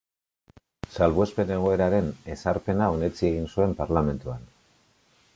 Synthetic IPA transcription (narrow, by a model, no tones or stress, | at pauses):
salβue̞spe̞ne̞ɣ̞o̞e̞ɾaɾe̞ne̞saɾpe̞nao̞ne̞t͡sieɣ̞insue̞mpaɾlame̞nt̪uan